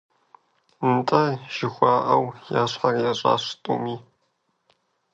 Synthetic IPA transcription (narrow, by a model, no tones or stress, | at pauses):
ntʼɐʒ̥ɪxʷɑːʔɐwjaːɕħarjaɕʼa̰ːɕtʼṵːmiː